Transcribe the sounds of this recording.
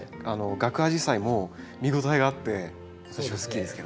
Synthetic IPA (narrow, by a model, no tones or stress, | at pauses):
ano̞ɡakɯ̟ɦaʑisaimo | mʲiɡo̞t̪aiɡaːt̪ːe̞ | ββat̪aɕiβasɨ̥kʲid̪esɨ̥ke̞d̪